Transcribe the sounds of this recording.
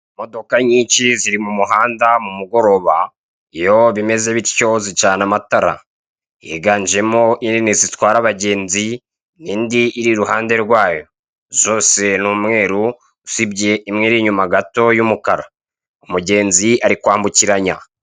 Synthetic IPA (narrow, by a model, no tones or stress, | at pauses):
mo̞do̞kaɲiːɲt͡ʃiziɾimumuɦaːndamumuɡo̞ɾo̞βa | ijo̞βime̞ze̞βiɾco̞zit͡ʃaːnamataɾa̰ | iheɡaːɲd͡ʒe̞mo̞ʔininizitwaːɾaβaɟe̞ːnzi | niːndiʔːɾiɾuɦaːnde̞ɾɡwaːjo̞ | zo̞ːse̞nuːmŋe̞ːɾu | usibɟe̞imŋeɾiɲumaɡato̞jumukaɾa | omuɟe̞ːnziaɾikwaːmbuciɾaɲa̰